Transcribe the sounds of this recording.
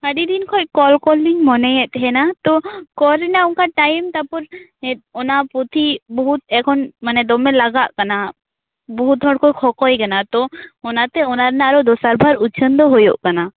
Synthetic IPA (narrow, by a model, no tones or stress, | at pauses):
əɖid̪inkʰɔc̚kɔlkɔlːiŋmɔnɛjɛʔt̪ɦɛnat̪ɔkɔɾɛnauŋkaʈajmt̪apɔɾɛɔnapɔt̪ibɔɦut̪̚ɛkʰɔnmanɛd̪ɔmɛlaɡaʔkana | bɔɦut̪̚ɦɔɽkɔjkʰɔkɔjɡanat̪ɔɔnat̪ɛɔnaɾnaaɾɔd̪ɔsaɾbʱaɾut͡ʃʰənd̪ɔɦojɔ̰ʔkana